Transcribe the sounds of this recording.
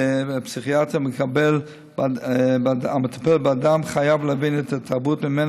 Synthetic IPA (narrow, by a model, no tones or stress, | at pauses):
psiχiatəməkabɛl | bbamətḁpɛlbɪadamχajavlˠavinɛtʰatʰaɾbuːtmɪmɛn